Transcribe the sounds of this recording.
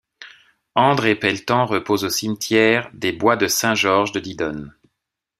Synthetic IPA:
ɑ̃d̪ʁepɛlt̪ɑ̃ʁəpozosimt̪jɛʁd̪ebwad̪əsɛ̃ʒɔʁʒd̪əd̪id̪ɔn

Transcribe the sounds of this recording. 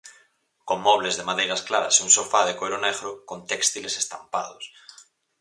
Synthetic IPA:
koŋmɔβ̞lezðemaðejɾasklaɾa̰sunsofaðekojɾoneɣɾokont̪ekst̪ilese̥st̪ampa̰ð̞os

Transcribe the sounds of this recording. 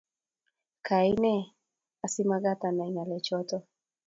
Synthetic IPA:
kʰainɛ | asimaɣatanainalɛt͡ʃɔtɔ

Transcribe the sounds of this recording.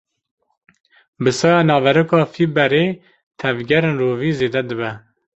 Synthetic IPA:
bɨsɑːjɑnɑːvɛɾɨkɑːfibɛɾeː | t̪ʰɛvɡʲɛɾeːnroːviːzeːd̪ɛd̪ɨbɛ

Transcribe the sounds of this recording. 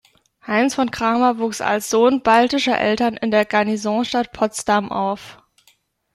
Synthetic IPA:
haɪnsfɔnkʁ̥aːmɐvuːksa̰lsz̥oːnbaltɪʃɐ̰ʔɛ̰ltɐnʔɪ̰ndeːɐɡanizɔ̃ʃtat̚pʰɔt͡stamʔa̰ʊf

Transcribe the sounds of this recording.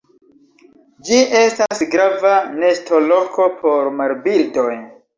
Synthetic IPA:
d͡ʒiʔe̞stasɡɾavane̞sto̞lo̞kʰo̞pʰo̞ɾmaɾbildo̞j

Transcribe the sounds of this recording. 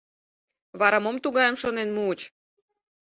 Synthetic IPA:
βɑɾɑmomt̪uɣɑjəmʃonenmuut͡ɕ

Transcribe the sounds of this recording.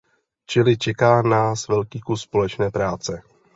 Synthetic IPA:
t͡ʃɪlɪt͡ʃɛkaːnaːsvɛlkiːkusːpo̞lɛt͡ʃnɛːpɾaːt͡sɛ

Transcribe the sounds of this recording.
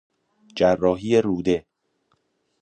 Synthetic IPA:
d͡ʒærːɒːɦiːjeɾuːd̪e

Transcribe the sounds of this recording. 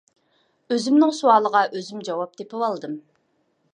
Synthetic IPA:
øzymnɪŋsuɑlˠəʁɑʔøzymd͡ʒɑwɑp̚d̪̥epɪwɑlˠd̪ɨm

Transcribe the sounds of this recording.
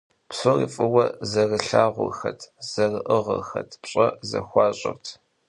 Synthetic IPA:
psoriːfʼɨwɐzɐrɨɬaːʁʷʊ̰rxɐtʰz̥ɐrɨʔɨʁɐ̰rxɐtʰpɕʼɐzɐ̰xʷɑːɕʼɪ̰rtʰ

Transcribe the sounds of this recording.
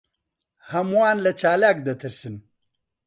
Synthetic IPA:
hɐmwaːnlɐt͡ʃaːlakd̪ɐt̪ʰiɾsin

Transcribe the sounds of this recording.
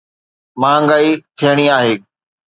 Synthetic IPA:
mãːŋɡaːit̪ʰeːɽ̃iaːɦeː

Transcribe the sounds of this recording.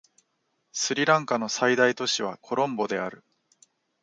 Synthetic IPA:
sɨɾʲiɾãŋkano̞said̪ait̪o̞ɕiβ̞akʰo̞ɾõ̞mbo̞d̪e̞aɾɯ̟

